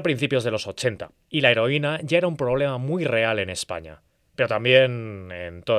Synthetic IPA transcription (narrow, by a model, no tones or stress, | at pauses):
pɾin̟θipjo̞zðe̞lo̞so̞t͡ʃe̞nt̪a̰ | ilae̞ɾo̞inaʝae̞ɾaumpɾo̞βle̞mamujre̞ale̞ne̞spa̰ɲa̰ | pe̞ɾo̞t̪ambje̞nent̪o